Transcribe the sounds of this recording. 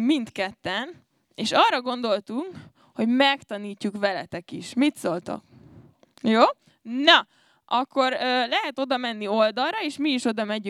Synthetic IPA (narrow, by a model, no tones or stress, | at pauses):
mint̪kɛt̪ːɛn | eːʃɒːrːɒɡo̞nd̪o̞lt̪uŋk | ho̞ɟmɛkt̪ɒniːcːukʋɛlɛ̰t̪ɛkḭʃmit̪so̞lt̪ɒ̰k | joː | nɒ | ʔɒkːo̞ɾøːlɛɦɛt̪o̞d̪ɒmɛnːio̞ld̪ɒlrɒeːʃmiːʃo̞d̪ɒmɛɟy